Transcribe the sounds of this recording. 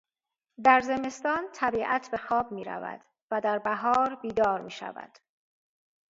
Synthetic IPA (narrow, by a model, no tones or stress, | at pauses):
d̪æɾze̞me̞st̪ɒːnt̪ʰæbiːʔæt̪ʰbe̞xɒːbmiːɾæ̰væ̰d̪̥ | væd̪æɾbæɦɒːɾbiːd̪ɒːɾmiːʃæ̰væ̰d̪̥